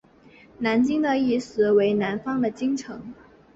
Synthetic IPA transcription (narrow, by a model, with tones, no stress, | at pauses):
na˧˥nt͡ɕi˥ŋd̪ə˨i˥˩ʂɹ̩˧˥we˧˥ɪna˧˥nfɑ˥ŋd̪ə˨t͡ɕi˥ŋʈ͡ʂʰɤ˧˥ŋ